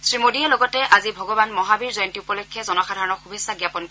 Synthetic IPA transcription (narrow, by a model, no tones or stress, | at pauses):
sɹimodiɛlɔɡɔtɛʔazibʱɔɡɔbanmɔɦabiɹzɔjɔntiupɔlɔkʰːɛzɔnɔxadʱaɹɔnɔɹxubʱisːaɡjapɔnkɔ